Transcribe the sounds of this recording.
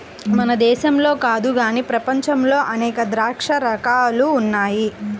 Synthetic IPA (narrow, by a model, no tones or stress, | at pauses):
mɐnɐd̪ɛːʃɐmlo̞ːkaːd̪uɡaːniːpɾɐpɐɲt͡ʃɐmlo̞ːʔɐnɛːkɐd̪ɾaːkʂɐɾɐkaːluːnːaːji